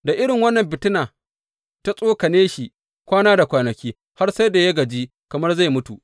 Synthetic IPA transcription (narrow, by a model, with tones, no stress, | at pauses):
da˨ʔɪ˦ɽɪ˨ŋwɐ˦nːɐ˨mbɪ˨tɪ˦naː˨ | ta˦sʼoː˦kɐ˨neː˦ʃi˨ʔ | kʷaː˦naː˦da˨kʷaː˨nɐ˨kʲiː˦ | ha˦rsa˦jda˨ja˦ɡɐ˨d͡ʒiː˦ | kɐ˨mɐ˦rza˦˨jmʊ˦tu˨